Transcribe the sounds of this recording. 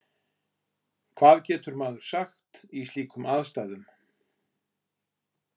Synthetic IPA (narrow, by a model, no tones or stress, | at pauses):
kʰv̥aːðcɛːt̪ʏɾmaːðʏɾ̥saxt̪ist̪iːkʰʏmʔaðst̪ajðʏm